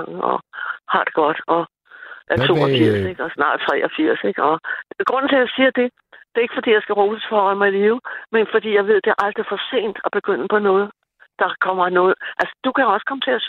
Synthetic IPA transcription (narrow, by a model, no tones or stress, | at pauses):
ŋɒ̰hɑ̈d̥e̥ɡ̥ɒ̽d̥ɒ̽ | ʔæɐt͡sʰo̝ːɒfiɐ̰seɡ̥ɒ̽snɑ̈ːd̥t͡sʰʁɛ̰ːʔɒ̽fiɐ̰seɡ̥ɒ̽ɡ̥ʁɔ̽n̰n̩t͡sʰe̝jɑ̈ɪsiːɐd̥e̝ | d̥e̝ɐe̝ɡ̥əfɒ̽d̥ḭːjɑ̈ɪsɡ̥æʁo̥ːəsfɒɒmɑ̈ɪiliːʊmenfɒd̥ḭːjɑ̈ɪʋe̝ð̞̰ˠd̥e̝æɐʔɑ̈ld̥ʁifɒse̝̰ːn̰d̥ɒ̽b̥e̝ɡ̥øn̰əpʰɒ̽nɔ̽ːð̞̩ˠ | d̥ɑ̈kʰɒ̽m̰ɐnɔ̽ːð̞̩ˠʔælsə̥d̥ukʰæɒ̽sə̥kʰɒ̽mət͡sʰe̝æs